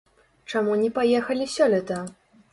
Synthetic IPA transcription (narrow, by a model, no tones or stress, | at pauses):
t͡ʂamunʲɛpajɛxɐlʲisʲɔlʲɛt̪ɐ